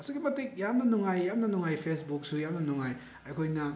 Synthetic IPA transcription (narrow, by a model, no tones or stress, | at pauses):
ɐsuɡimɐtik̚jamnɐnuŋajːamnɐnuŋajpʰesbuk̚sujamnɐnuŋaj | ɐjkʰojnɐ